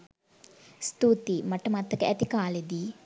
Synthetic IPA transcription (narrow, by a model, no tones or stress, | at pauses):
st̪ut̪imɐʈːɐmat̪ːɐkɐʔɐt̪ikaːlid̪i